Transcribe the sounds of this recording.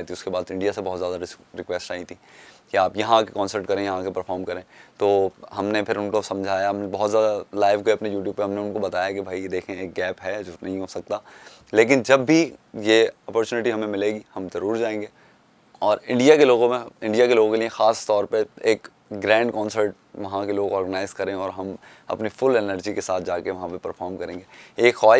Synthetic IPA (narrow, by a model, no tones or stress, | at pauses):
t̪ʰiʊskebaːd̪ɪ̃ɳɖijasebɔɦːt̪zjaːd̪aɾɪɾɪkʋɛsʈaːĩt̪ʰikiaːpjɐɦãkekɔ̃ːnsəɾʈkɐɾẽːjɐɦãkepɐɾfʰɔːɾmkɐɾẽːt̪oːɦɐmnepʰɪɾʊnkosɐ̃md͡ʒʱaːjabɔɦt̪zjaːd̪alaːɪʋɡɐpnejuːʈjuːb̚peɦɐmneʊnkobɐt̪aːjakibʱaːid̪eːkʰẽeːk̚ɡɛːpɦɛd͡ʒoːnɐɦĩɦoːsɐk̚t̪aː | leːk̬ɪnd͡ʒɐbːʱijeɔːpɔːɾt͡ʃuːnɪʈiɦɐmẽmɪleːɡihɐmzɐɾuːɾd͡ʒaːẽːŋɡeː | ɔːɾɪ̃ɳɖijakeloːɡõmẽɪ̃ɳɖijakeloːɡõkeliẽxaːst̪ɔːɾpeeːk | ɡɾɛ̃ːɳɖkɔ̃ːnsəɾʈ | ʋɐɦãkeloːɡɔːɾɡənaːɪzkɐɾẽɔːɾɦɐm | ɐ̰pnifʊlɛnəɾd͡ʒikesaːt̪ʰd͡ʒaːkeʋɐɦãpepɐɾfʰɔːɾmkɐɾẽːŋɡeeːkxɔː